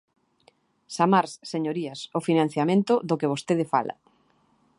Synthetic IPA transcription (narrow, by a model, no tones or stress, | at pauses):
samaɾsseɲoɾiɐsofinãn̟θjamẽnt̪ʊðʊkeβ̞ost̪eð̞ɪfa̰lɐ̰